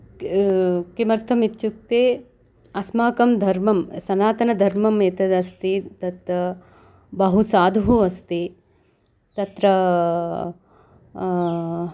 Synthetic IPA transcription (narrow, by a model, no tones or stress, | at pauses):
kimɐɾt̪ʰɐmit̪ːt͡ʃuk̚t̪ːeː | ɐsmaːkɐmd̪ʱɐɾmɐmsɐnaːt̪ɐnɐd̪ʱɐɾmɐmeːt̪ɐd̪ɐst̪it̪ɐt̪ɾɐ | bɐɦusaːd̪ʱuɦuɐst̪i | t̪ɐt̪ɾɐ